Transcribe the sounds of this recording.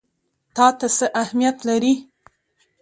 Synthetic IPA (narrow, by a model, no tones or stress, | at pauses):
t̪ɑt̪asəʔahmijat̪laɾi